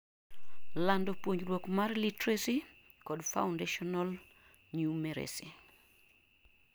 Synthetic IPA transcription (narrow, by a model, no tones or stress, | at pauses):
landopwoɲrwokmarlitɾesi | kɔdfaʊndeʃɔnal | ɲumeɾḛsi